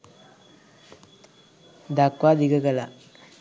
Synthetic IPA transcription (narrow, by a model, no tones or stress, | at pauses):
d̪akwad̪iɡəɡala